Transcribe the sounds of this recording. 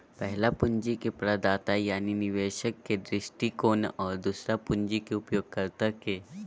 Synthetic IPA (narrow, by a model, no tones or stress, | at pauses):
pəɦlapuɲd͡ʒikepɾad̪at̪ajaniniʋeɕəkːed̪ɾɪsʈikoːnɔːɾd̪usɾapuɲd͡ʒikeupjoɡ̚kəɾt̪əke